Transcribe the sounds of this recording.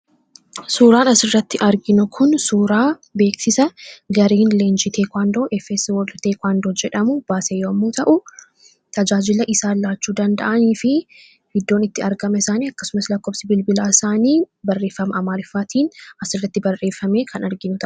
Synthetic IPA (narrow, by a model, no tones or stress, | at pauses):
suːɾaːnɐsɪrːɐt̪ːɪʔɐɾɡɪnʊkʰʊnsuːɾaːbe̞ːksɪsɐɡɐɾiːnleːnd͡ʒit̪ʰeːkʷaːnd̪oːʔɛfɛswɔlt̪eːkʷaːnd̪od͡ʒɛᶑɐmʊb̥aːseːjoːɐmːuːt̪ɐʔʊ | t̪ɐd͡ʒaːd͡ʒɪlɐʔɪsaːlaːt͡ʃːuːd̪ɐnd̪ɐ̰ʔɐniːfɪ | hɪd̪ːo̞ːnɪt̪ːɪɐɾɡɐmɐɪsaːniːɐkːɐsʊmɐslɐkːoːbsɪbɪlbɪlaːɪsaːniː | bɐrːe̞ːfːɐmɐʔɐmaːlɪfːaːt̪iːnɐsɪrːɐt̪ːɪbɐrːe̞ːfːɐme̞ːkʰɐnɐɾɡɪnʊt̪ɐʔʊ̥